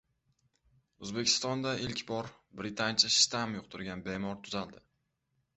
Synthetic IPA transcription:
ɵzbe̞kʲʰɪ̥st̪ɒnd̪aʔɪlkʲbɒɾbɾɪt̪ʰant͡ʃʰaʃt̪amjʊq̚t̪ʰʊɾɡʲanbe̞mɒɾt̪ʰʊzald̪ɪ

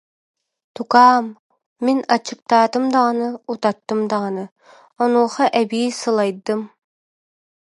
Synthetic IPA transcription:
t̪ukaːmː | inɑt͡ɕɯk̚t̪aːt̪ɯmd̪ɑʁɑnɯut̪at̪ːɯmd̪ɑʁɑnɯ | ɔnuːχɑʔɛbiːsɯlˠɑjd̪ɯm

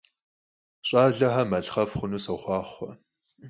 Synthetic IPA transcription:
ɕʼaːɮɐɦɐmɐɬχɐfχʷʊnuːsɐχʷɑːχʷɐ

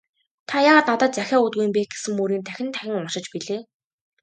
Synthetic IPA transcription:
t̪ʰajaːʁat̪nat̪ə̆t̪̚t͡sæxʲæːut̪ɡujĭmpeːt̚ɡe̥sɘ̆ŋmuɾiːnt̪ʰæxʲɪ̆nt̪ʰæxʲɪ̆ŋʊʃɪ̆t͡ɕpiɮeː

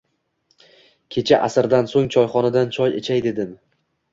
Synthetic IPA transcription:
kʲʰe̞t͡ʃʰaʔasɪɾd̪ansoŋt͡ʃʰɒjχɒnad̪ant͡ʃʰɒjet͡ʃʰajd̪e̞d̪ɪm

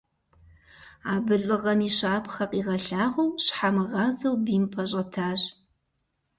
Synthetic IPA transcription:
aːbɨɮʼɨʁɐmiːɕaːpʰχɐqʼiːʁɐɬaːʁɐwɕħamɨʁɑːzɐwbiːmpʰɐɕ̬ʼɐtʰaːɕ

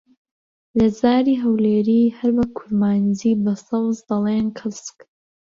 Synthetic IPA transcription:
lɐzaːɾiːɦɐwleːɾiːhɐɾbɐkʰuɾmaːnd͡ziːbɐsɐwzd̪ɐleːnkʰɨsk

